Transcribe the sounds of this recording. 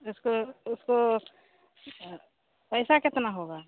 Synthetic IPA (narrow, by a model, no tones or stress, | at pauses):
ʊskoʊsko | pəɪsakɪt̪naɦoɡa